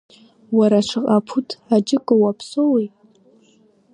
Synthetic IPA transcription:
waɾaʃʷʰɨqʼapʰutʰad͡ʒɪkʼowapʰsowejtʼ

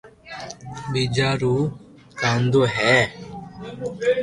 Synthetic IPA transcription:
biːd͡ʒaːɾuː | kãːnd̪oːɦɛː

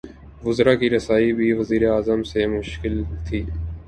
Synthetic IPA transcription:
ʋʊzɾaːkiɾɐsaːibʱiʋəziːɾeaːzəmsemʊʃkɪlt̪ʰiː

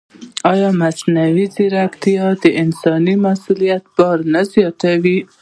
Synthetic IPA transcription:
ɑjɑmasnawiziɾakt̪ijɑd̪əʔɪnsɑnimasulijat̪̚bɑɾnazjɑt̪awi

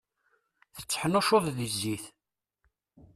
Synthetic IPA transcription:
θə̥t͡sːħənʊʃoðˤðizːiθ

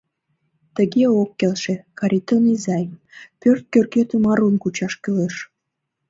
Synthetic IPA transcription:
t̪əɣeokːelʃekɑɾʲit̪onizɑjpørt̪̚kørkøt̪ymɑɾunkut͡ɕɑʃkyleʃ

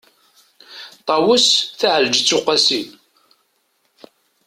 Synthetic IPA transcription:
t̪ˤɑwəsθaʕld͡ʒt͡sːʊqːasin

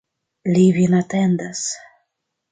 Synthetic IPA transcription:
livinat̪ɛnd̪as

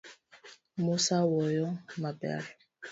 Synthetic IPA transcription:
musawɔjɔmabɛ̰aɾ

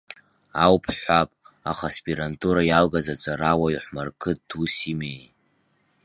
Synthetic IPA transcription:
awpʰħʷapʼa̰χaspʼiɾantʰʼuɾajalɡazat͡sʼaɾawaiħʷmarkʰɨt̚tʰusimej

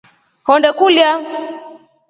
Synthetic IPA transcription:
hɔndɛkulja

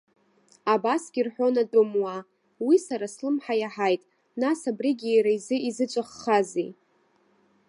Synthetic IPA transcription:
abasɡʲirħʷᶣo̞natʼʊmwa | wisaɾaslɨmħajaħajtʼ | nasabriɡʲijɾaizɨizɨt͡ʃʷʼaχːazḛ

